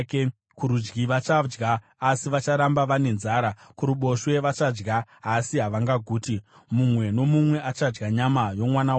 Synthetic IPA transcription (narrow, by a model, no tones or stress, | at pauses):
ke | kuɾud͡ʒɡiʋat͡ʃad͡ʒɡaː | siʋat͡ʃaɾambaʋane̞nzaːɾakuɾuɓo̞ʃwe̞ʋat͡ʃad͡ʒɡaːsiɦaʋaŋɡaɡʱuːti | mumwe̞no̞mumwe̞ʔat͡ʃad͡ʒɡaɲamajo̞mwanaw